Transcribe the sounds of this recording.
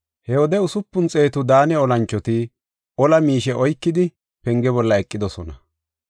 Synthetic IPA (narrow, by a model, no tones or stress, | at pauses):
hɛwɔd̪ɛʊsʊpːʊnt͡sʼe̞ːt̪ʊd̪aːnɛɔlɐnt͡ʃːɔt̪ɪ | ɔlɐmiːʃɛʔɔjkːɪd̪ɪ | pɛŋɡɛbɔlːɐɛkʼːɪd̪ɔsɔnɐ̰